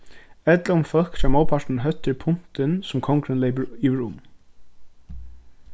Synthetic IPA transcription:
ɛt̪laʊmfœkt̪aːmɔːpʰaʂʈn̩ɦœt̪ːɪɾpʰʊn̥t̪ɪnsʊmkʰɔŋkɾɪnlɛɪpəɾjiʋɾʊm

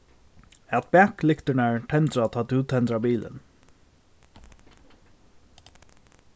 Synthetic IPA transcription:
ɛt̪̚b̥æklɪkt̪əɳæːɹʈʰɛnd̪ɾat̪ʰɑːt̪ʉːt̪ʰɛnd̪ɾɑːbiːlʔə̰n

